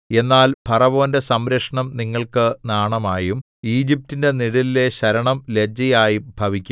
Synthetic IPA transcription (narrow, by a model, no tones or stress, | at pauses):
e̞nːaːlpʰɐrɐʋo̞ːnde̞sɐmɾɐkʂɐɳɐmniŋːɐɭkɨnaːɳɐmaːjum | iːd͡ʑip̚tːinde̞niɽilile̞ɕɐɾɐɳɐmle̞d͡ʑɐjaːjibʱɐʋikʲːu